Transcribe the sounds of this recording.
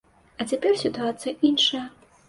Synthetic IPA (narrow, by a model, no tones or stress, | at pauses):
ɐt͡sʲapʲɛrsʲit̪uat̪sɨjɐʔinʂɐjɐ